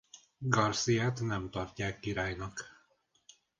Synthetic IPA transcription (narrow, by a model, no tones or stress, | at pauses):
ɡɒrsijat̪nɛmt̪ɒrcːaːkːiɾaːjnɒk